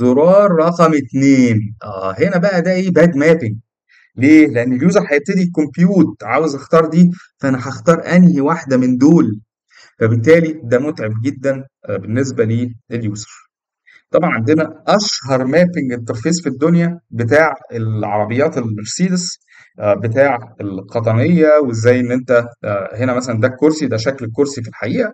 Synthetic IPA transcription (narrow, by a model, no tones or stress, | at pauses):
zoɾɑːɾˤːɑqɑmet̪neːnʔæːhenæbæʔæd̪æʔeːbæːd̪mæːpeŋɡ | leːleʔenːeljuːzɑɾħæjeb̚t̪ːæd̪ikompjuːt̪̚ʕaːwezʔɑxt̪ɑːɾˤd̪iːfæʔænæħɑxt̪ɑːɾˤʔænhiwaħd̪æmend̪oːl | fæbet̪ːæːlid̪æmot̪ʕeb̚ɡed̪ːæn | benːes̬bæliːeljuːse̥ɾ | t̪ˤɑbʕɑnʕand̪enæʔæʃhɑɾˤmæːpeŋɡet̪ːeɾˤfiːzfid̪ːonjæbet̪aːʕelʕɑ̰ɾˤɑbejːɑːt̪elbeɾsiːd̪es | bet̪aːʕelqɑt̪̬ˤɑnejːæwezːæːjʔenːʔent̪æɦenæmæsælænd̪ækːoɾsid̪æʃ̬æklekːoɾsifilħaʔiːʔæ